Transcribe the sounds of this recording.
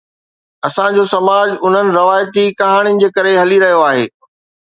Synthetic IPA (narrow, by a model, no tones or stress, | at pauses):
ɐsãd͡ʑosɐmaːd͡ʑʊn̤ənɪ̆ɾɐʋaːjt̪ikɐɦaːɽ̃inɪ̆d͡ʑeːkɐɾeɦɐliɾɐɦijoaːɦḛː